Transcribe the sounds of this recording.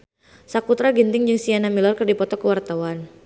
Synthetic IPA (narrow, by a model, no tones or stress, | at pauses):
sakut̪ɾaɡint̪ɪŋd͡ʒɨŋsianamilɔrkərdipɔt̪ɔkəwart̪awan